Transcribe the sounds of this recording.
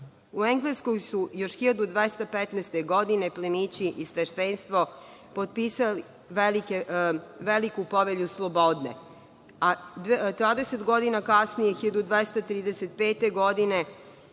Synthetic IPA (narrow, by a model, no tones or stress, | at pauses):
ueŋɡleskojsujoʃxiʎad̪ud̪ʋest̪apet̪nest̪eɡod̪ineplemit͡ɕiʔisʋeʃt̪enst̪ʋo̞ | pot̪̚piːsali | ʋelikeʋelikupoʋeʎuslˠobod̪nḛ | ad̪t̪vaːd̪eset̪ɡo̞d̪inakasnijexiʎad̪ud̪ʋest̪at̪ɾiːd̪eset̪peːt̪e̞ɡod̪ine